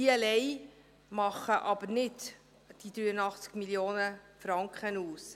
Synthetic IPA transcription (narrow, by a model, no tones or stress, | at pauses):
iɛlɛɪ | mɑχəʔɑbəɾnɪt | d̥id̪ɾyːənɑχt͡skmiljoːnəfɾɑŋkχənuːs